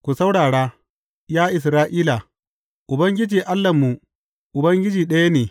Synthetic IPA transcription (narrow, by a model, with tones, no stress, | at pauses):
kʷu˨sa˦wɽaː˨ɽaː˦ | jaː˦ʔɪ˨s̬ɾaː˦ʔiː˦la˨ | ʔʊ˨bɐ˦ŋɡʲɪ˦d͡ʒiː˨ʔa˦lːa˨mːu˨ | ʔʊ˨bɐ˦ŋɡʲɪ˦d͡ʒiː˨ɗɐ˦ja˦neː˨